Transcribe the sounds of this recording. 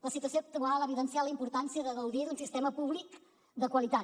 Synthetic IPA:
ləsit̪uəsioək̚t̪ualəβiðənsialəimpuɾt̪ansijəðəɣəwðiðunsist̪ɛməpuβlik | d̪əkwəlit̪a

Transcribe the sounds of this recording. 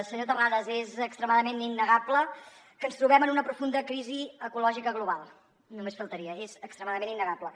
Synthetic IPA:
səɲot̪əaðəzezəkst̪ɾəmaðəmeninːəɣaplə | kənst̪ɾuβ̞ɛmənunəpɾufund̪əkɾiziəkulɔʒikəɣ̞luβ̞alˠ | numesfəlˠt̪əɾiəezəkst̪ɾəmaðəmeninːəɣaplə

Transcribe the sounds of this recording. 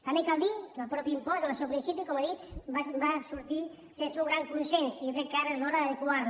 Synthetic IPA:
t̪amekalˠd̪ikəlˠpɾɔpiimpɔzələsɛwpɾinsipikɔməðit͡ʃbabasuɾt̪i | sesuwɣɾaŋkunsɛnsiokɾɛkkːaɾezlɔɾəðəðəkuaɾ

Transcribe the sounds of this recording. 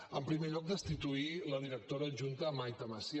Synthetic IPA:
əmpɾimeʎɔk̚d̪əst̪it̪uiləðiɾək̚t̪oɾəʒunt̪əːmajt̪əməsi

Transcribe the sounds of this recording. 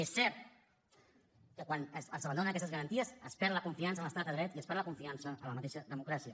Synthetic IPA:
esːɛɾt̪ | kəkwanəsə̰zəβəɐnd̪onənəkɛst̪əzɣəɾənt̪iəsəspɛɾləkuɱfiansələst̪at̪əðɾɛt̪iəspɛɾləkuɱfiansəələmət̪eʃəðəmukɾasiə

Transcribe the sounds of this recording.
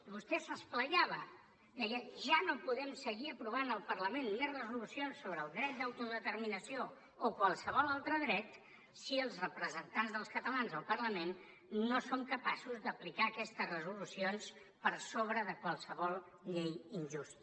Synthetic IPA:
βust̪ɛsəspləʎaβ̞ə | d̪əɣɛʒanopuðɛmsəɣiəpɾuβ̞anəlˠpərləmenmezrəzulusionsːoβɾəːlˠd̪ɾɛt̪̚d̪əwt̪uðət̪əɾminəsioː | kwalˠsəβɔlˠalˠt̪ɾəðɾɛt̪ | siəlˠzrəpɾəzənt̪anzðəlˠskət̪əlanzðəlˠpərləmenː | osomkəpasuzd̪əplikaəkɛst̪əzrəzulusions | pəɾsoβɾəðəkwalˠsəβɔlˠ | ʎejinʒust̪

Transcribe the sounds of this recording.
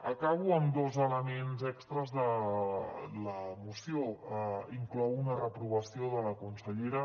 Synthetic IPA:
əkaβ̞uəmd̪ozələmenzɛkst̪ɾəzðə | ləmusijoiŋklɔwunərəpɾuβ̞əsioðələkunsəʎeɾə

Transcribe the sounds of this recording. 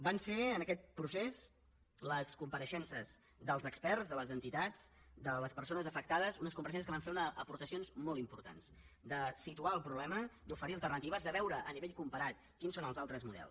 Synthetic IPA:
banseənəkɛt̪̚pɾusez | ləskumpəɾəʃɛnsəz | d̪əlˠzəkspɛrzðələzənt̪it̪ad͡zd̪ələspəɾsonəzəfək̚t̪aðəzunəskumpəɾəʃɛnsəs̬kəβaɱfeɾunəəpuɾt̪əsionzmɔlˠt̪impuɾt̪a̰nz | d̪əsit̪uaəlˠpɾuβlɛməd̪ufəɾiəlˠt̪ərnət̪iβəzðəβɛwɾəʔəniβeʎkumpəɾat̪ | kinsonəlˠzalˠt̪ɾəzmuðɛ̰lˠs

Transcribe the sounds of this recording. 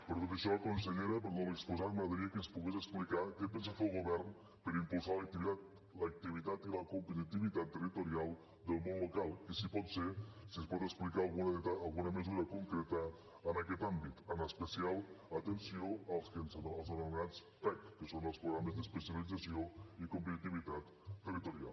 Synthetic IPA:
pəɾt̪ot̪əʃɔəkunsəʎeɾəpəɾðonləkspuzaɾməðəɾiəkənspuɣezəksplikakepənsafelˠɣuβɛrn | pəɾimpulˠsalək̚t̪ia | lək̚t̪iβ̞it̪at̪iləkumpət̪it̪iβ̞it̪at̪ːərit̪uɾialˠ | d̪əlˠmonlukalˠkəsipɔt̪sesiənspɔt̪əksplikaːlˠɣunt̪aːlˠɣunəməzuɾəkuŋkɾɛt̪əː | nəkɛt̪ambit̪ənəspəsialˠət̪ənsioəlˠskənzəlˠzənəɾɣat͡s | t̪akːəsonəlˠspɾuɣɾaməzd̪əspəsjəlidd͡zəsioikumpət̪it̪iβ̞it̪at̪ː | ərit̪uɾia̰lˠ

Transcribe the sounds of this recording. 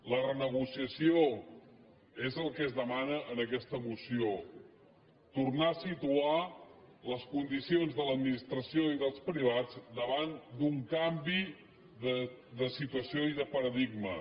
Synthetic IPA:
lərənəɣ̞usiəsio | ezəlˠkɛzðəmanəʔənəkɛst̪əmusio | t̪urnaəsit̪ualəskund̪isionzðələd̪minist̪ɾəsioiðəlˠspɾiβ̞ad͡zd̪əβand̪uŋkambi | ðə | d̪əsit̪uəsioiðəpəɾəðiɡ̚mə

